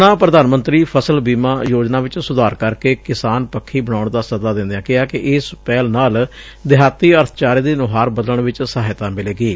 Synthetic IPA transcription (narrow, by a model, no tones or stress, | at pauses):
nãːpɾəd̪aːnmə̃nt̪ɾiːpʰəsəlbiːmaːjoːd͡ʒnaːʋɪt͡ʃsʊd̪aːɾkəɾkeːkɪsaːnpəkʰːiːbəñaːʊɳd̪aːsəd̪aːd̪ɪ̃nd̪jãːkɪaːkɪʔɪspɛːlnaːl | d̪ɪɦaːt̪iːəɾt̪ʰt͡ʃaːɾid̪eːnʊɦaːɾbəd̪ələɳʋɪt͡ʃsəaːɦɪt̪ãːmɪleːɡiː